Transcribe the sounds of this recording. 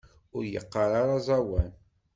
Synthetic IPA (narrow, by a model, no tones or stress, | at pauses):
ʊɾjə̰qːɑɾˤɑɾˤɑzˤɑwæn